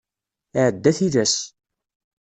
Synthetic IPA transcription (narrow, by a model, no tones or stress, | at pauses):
ɪʕəd̪ːæθiðæs